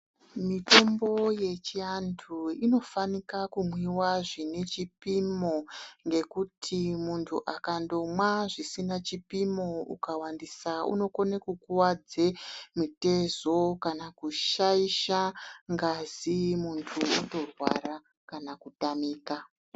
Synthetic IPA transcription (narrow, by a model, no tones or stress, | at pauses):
mito̞mbo̞je̞t͡ʃiandʰuino̞fanikakumwiwaʐine̞t͡ʃipimoŋɡe̞kutʰimuntʰuʔakando̞mwaʐisinat͡ʃipimo̞ṵkawandisaṵno̞konekukuwad͡zemute̞zo̞kanakuʃaiʃaŋɡazimuntʰuṵto̞rwa̰ɾa | kanakutamiːka